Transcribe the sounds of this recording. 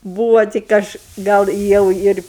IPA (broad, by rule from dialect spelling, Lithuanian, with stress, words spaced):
ˈbuːʋoː tʲɪk ˈɐʃ ˈɡɐlˠ ˈjɛʊ ɪr